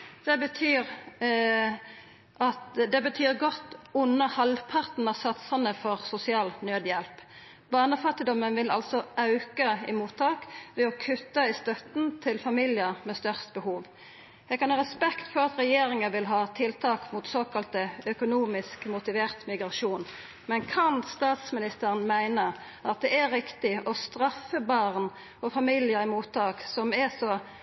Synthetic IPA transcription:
d̪̥ɛbət̪ʰyːɾ | ʔɑt̪d̪ɛbət̪ʰyːʁɡɔt̪ːʊnːəhɑlpʰɑʁt̪n̩ɑsɑt̪sɑnəfɔʁsʊsɪɑːlnøːd̪jɛlp | bɑʁnəfɑt̪ːɪd̪ɔmːənʋɪlɑ̰lsɔɑʉkəɪmuːt̪ʰːɑːkʋɛɔkʰʉt̪ːɑɪst̪œt̪nt̪ʰɪlfɑmɪljəʁmɛst̪œʁst̪bəhuːʋ | jɛɡkɑnɑːʁɛspɛkt̪fɔʁɑt̪ɾɛjeːɾɪŋəʋɪlɦɑːt̪ʰɪlt̪ʰɑːkmʊt̪soːkɑlt̪əœkʊnuːmɪskmʊt̪ɪʋeːʁt̪mɪɡʁɑʃuːn | mɛnkʰɑnst̪ɑːt̪smɪnɪst̪əʁənmæɪnə | ʔɑt̪̚d̪ɛæɾɪkt̪ɪʔɔst̪ʁɑfːəbɑːʁn | ɔfɑmiːljəʁɪmuːt̪ʰːɑːksɔmɛsɔ

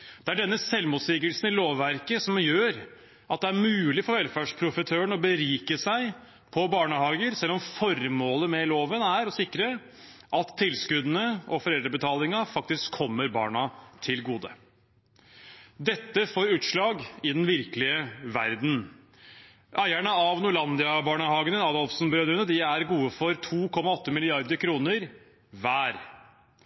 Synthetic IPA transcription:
d̪̥ɛæɖɛnːəsɛlmuːt̪sɪɡəlsnɪloːʋːæɾkəsɔmjøːɾ | ʔɑt̪̚d̪ɛæɾmʉːlɪfɔɾʋɛlfæʂpʰɾʊfət̪ʰøːəɳɔbəɾiːkəsæɪ | pʰɔbɑːɳəhɑːɡəɾsɛlːɔmfɔɾmoːləmɛloːʋənæɾɔsɪkːɾə | ʔɑt̪ʰːɪlskʉd̪nəʔɔfɔɾɛld̪ɾəbət̪ʰɑːlɪŋɑfɑk̚t̪ɪskʰːɔmːəɾbɑ̰ːɳɑt̪ʰɪlɡuːd̪ə | d̪ɛt̪ːəfoːɾʉːt̪ʂɭɑːɡɪd̪ɛnʋɪɾkəlɪəʋæɾd̪n̩ | ʔæɪæɳəɑʋnʊɭɑnd̪ɪɑbɑːɳəhɑːɡənənɑd̪ɔlfsn̩bɾøːd̪ɾənəd̪ɪæɾɡuːəfɔɾt̪ʰuːkʰɔmːɑɔt̪ːəmɪlɪɑɾd̪əɾkʰɾuːnəɾ | ʋæːɾ

